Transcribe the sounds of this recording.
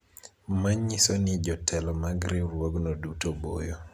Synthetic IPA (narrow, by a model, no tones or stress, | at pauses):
maɲisonid͡ʒɔtʰɛlɔmaɡɾiɾwoɡnɔdutobo̰jo